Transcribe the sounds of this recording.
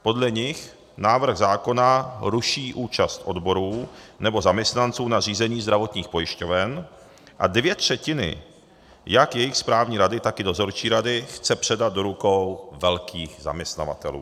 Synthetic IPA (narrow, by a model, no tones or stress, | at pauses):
po̞dlɛɲɪx | naːvɾ̩ɣzaːko̞naɾuʃiːʔuːt͡ʃast̪ʔo̞dbo̞ɾuːnɛbo̞zamɲɛst̪nant͡suːnar̝iːzɛɲiːzd̪ɾavo̞t̪ɲiːxpo̞jɪʃcovɛn | ʔa̰dvjɛt̪r̝̥ɛcɪnɪ̰ | jakjɛjɪxspɾaːvɲiːɾadɪt̪akɪdo̞zo̞ɾt͡ʃiːɾadɪxt͡sɛpr̥ɛdad̪̚do̞ɾukowvɛlkʰiːxza̰mɲɛst̪na̰va̰t̪ɛ̰lṵː